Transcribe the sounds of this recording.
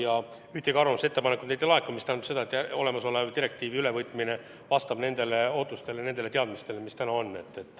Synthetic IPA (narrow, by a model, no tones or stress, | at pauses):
jɑ | yht̪eɡ̥ɑrvɑmɑse̞t̪ːe̞pɑnekud̪̥nejd̪̥elɑekːumist̪ænd̪ɑ̥se̞d̪ɑet̪ːˑo̞̰le̞mɑso̞levt̪iɾe̞k̚t̪iːviyle̞vɤjt̪ːˑmine | vɑst̪ɑbne̞nd̪̥e̞le̞o̞ːt̪ːˑust̪e̞lenend̪e̞le̞t̪e̞ɑd̪mist̪e̞lemist̪ænɑonːe̞t̪ːe̞t̪ːˑ